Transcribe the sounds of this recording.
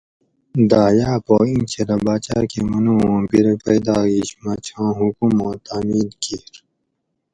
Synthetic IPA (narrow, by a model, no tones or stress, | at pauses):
d̪aːjaːpoːint͡ɕʰeɾɐbaːt͡ɕaːkemɐnũõːbiɾepɐjd̪aːiɕmɐt͡ɕʰãːɦukumõːt̪aːmiːlkiɾ